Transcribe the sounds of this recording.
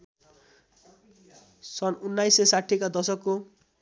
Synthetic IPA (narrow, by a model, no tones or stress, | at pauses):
sʌnunːajsːesaʈʰːikad̪ʌsʌkːo